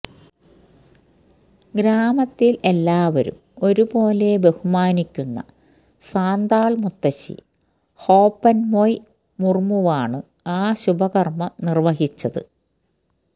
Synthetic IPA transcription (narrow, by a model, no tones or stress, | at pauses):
ɡɾaːmɐt̪ːile̞lːaːʋɐɾṵmo̞ɾubo̞ːle̞be̞humaːnikʲːunːɐ̰ | saːnd̪aːɭmut̪ːɐɕḭ | ho̞ːpːɐnmoj | murmuʋaːɳɨ | aːɕubɐɣɐrmɐmnirʋɐɦit͡ɕːɐðɨ̰